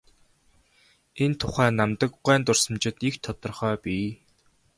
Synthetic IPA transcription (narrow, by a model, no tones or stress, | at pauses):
ent̪ʰːʊχæːnamt̪ə̆kɢæːnt̪ʊrsə̆mt͡ɕɪ̆t̪ikt̪ʰːɔt̪ɞ̆rχœːpʲiː